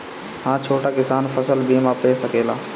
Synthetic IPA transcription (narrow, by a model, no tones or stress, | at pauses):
hãːt͡ʃʰoːʈaːkɪsaːnfʰəsəlbʱiːmãːpeːsəkeːlã̰ː